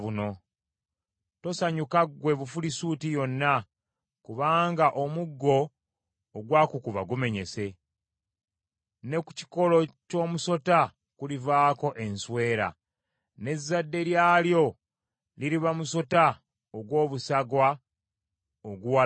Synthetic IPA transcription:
βuno̞ | to̞saɲukaɡwe̞βufulisuːtijo̞nːa | kuβaːŋɡaʔo̞muɡːo̞ː | ɡwaːkukuβa̰ɡume̞ɲe̞se̞ | ne̞kuci̥ko̞loco̞ːmuso̞ta | kulivaːko̞ʔe̞nswe̞ːɾa̰ | ne̞zːadːe̞ɾjaːljo̞ | liɾiβamuso̞ta | oɡwo̞ːβusaɡwa | oɡuwa

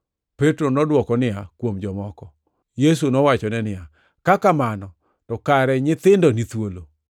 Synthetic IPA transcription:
petɾonɔdwɔkɔnɪakwomd͡ʒɔmɔkɔ | jes̬unɔwat͡ʃɔnɛnɪja | kakamanɔ | tɔkaɾɛɲɪt̪ɪndɔnit̪wolo

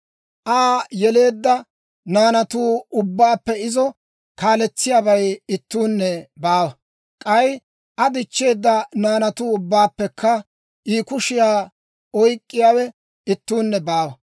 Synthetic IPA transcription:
ʔaːjɛle̞ːd̪ːɐ | naːnɐt̪uːʊbːaːpːɛɪzɔ | kaːlɛt͡sːɪjaːbɐjɪt̪ːuːnːɛbaːwɐ | kʼɐj | ʔɐd̪ɪt͡ʃːe̞ːd̪ːɐnaːnɐt̪uːʊbːaːpːɛkʰːɐ | ʔiːkʊʃɪjaː | ɔjkʼːɪjaːwɛ | ɪt̪ːuːnːɛbaːwɐ

